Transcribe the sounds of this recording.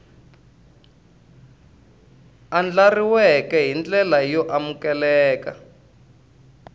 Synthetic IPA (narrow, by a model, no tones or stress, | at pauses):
and͡ɮariwɛkɛɦind͡ɮɛlajɔʔamukɛlɛːka